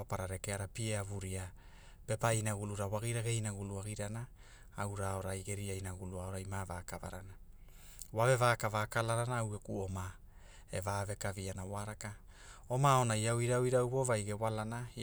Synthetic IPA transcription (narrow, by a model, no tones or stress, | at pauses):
opaɾaɾe̞keaɾapieavuɾia | pe̞painaɡuluɾawaɡiɾaɡejnaɡuluaɡiɾana | awɾao̞ɾajɡe̞ɾiajnaɡuluaoɾajmavakava̰ɾana | wave̞vaːkavakalaɾanaːwɡekuoma | evaːve̞kavianawaɾaka | o̞mao̞najawiɾawiɾawbo̞vajɡe̞walana